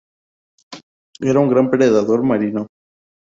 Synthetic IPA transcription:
eɾauŋɡɾampɾeðaðoɾmaɾino

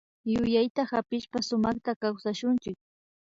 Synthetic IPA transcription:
jʊjajt̪ahapɪʃpasʊmɑχt̪akawsaʃʊnt͡ʃɪk̚

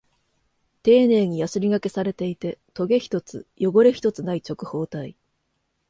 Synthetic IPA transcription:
t̪e̞ːne̞ːɲ̟ijasɨɾʲiɡake̞saɾe̞t̪e̞it̪e̞t̪o̞ɡe̞çi̥t̪o̞t͡sɨ̰jo̞ɡo̞ɾe̞çi̥t̪o̞t͡sɨnait͡ɕo̞kɯ̟ho̞ːt̪ai

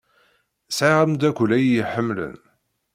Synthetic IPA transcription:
sʕɪʁəmd̪ækʷːlæjjəħəmːlə̰n

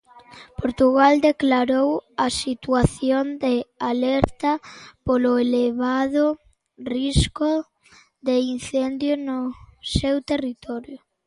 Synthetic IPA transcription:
poɾt̪uɣald̪eklaɾowasit̪waθjond̪ealɛɾt̪ɐpolʊeleβaðʊ | riskʊ | d̪einθend̪jʊnʊsewt̪erit̪ɔɾjʊ

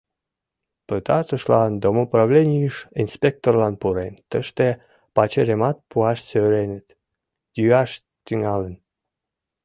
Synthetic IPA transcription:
pət̪ɑt̪əʃlɑnd̪omoprɑβlʲenʲijəʃinspʲek̚t̪orlɑnpuɾent̪əʃt̪e | pɑt͡ɕeɾemɑt̪̚puɑʃsøɾenət̪ | jyɑʃ | t̪yŋɑlən

